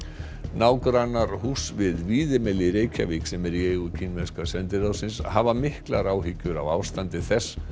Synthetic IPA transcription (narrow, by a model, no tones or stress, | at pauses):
naːwkɾanːaɾhusvɪðviːðɪmɛlɪɾeːjcʰa̰viːksɛmɛɾieɣʏcʰinvɛnskasɛnt̪ɪɾaðsɪnshavamɪhkla̰ɾaːwɦicːʏɾa̰wa̰ːwst̪ant̪ɪθɛsː